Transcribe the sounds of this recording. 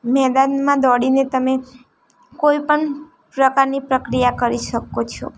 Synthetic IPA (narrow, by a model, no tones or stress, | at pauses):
mɛd̪anmãd̪ɔɽinet̪əme | koipəɳ | pɾəkaɾnipɾəkɾijakəɾiʃəkot͡ʃʰɔ̰